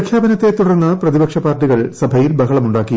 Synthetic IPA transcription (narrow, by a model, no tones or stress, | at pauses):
kʰjaːbɐnɐt̪ːe̞t̪ːuɽɐrnːɐprɐðibɐkʂɐpaːrʈːiɣɐɭsɐbʱɐjilbɐɦɐɭɐmuɳɖaːkːi